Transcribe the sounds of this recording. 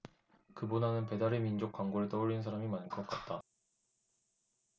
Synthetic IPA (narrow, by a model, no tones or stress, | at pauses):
kɯbonanɯnpe̞daɾemind͡ʑok̚waŋɡoɾɯɭt͈ʌuɾinsʰaɾamimanɭk͈ʌk͈at̚t͈a